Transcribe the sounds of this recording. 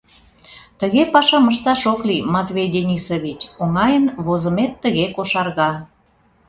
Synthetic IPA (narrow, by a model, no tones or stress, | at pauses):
t̪əɣepɑʃɑməʃt̪ɑʃoklimɑt̪βʲejd̪enʲisoβʲit͡ɕoŋɑjənβozəmet̪ːəɣekoʃɑrɣɑ